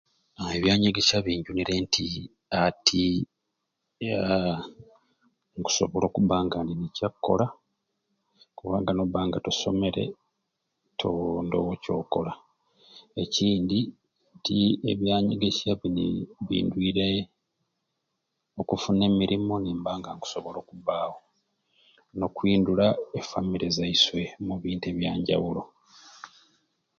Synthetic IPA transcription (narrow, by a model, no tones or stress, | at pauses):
eβjaːɲeɡe̞ʃaβiːɲɟuniɾe̞ntʰi | atʰi | a | ŋku̥so̞βo̞lo̞ːkuβaːŋɡandinicakːo̞̰la | kuβaːŋɡanoβaːŋɡatuso̞me̞ɾe̞̰ | tʰondowoco̞ːko̞la | e̞ciːndi | tie̞βjaːɲiɡeciaβinḭβḭːndwiːɾe | okufune̞ːmiɾimo̞niːmbaːŋɡaŋku̥so̞βo̞lo̞ːkuβaːwo̞ | no̞kwiːndulaefamiɾezaiswe̞muβiːnteːβjaːɲɟa̰wulo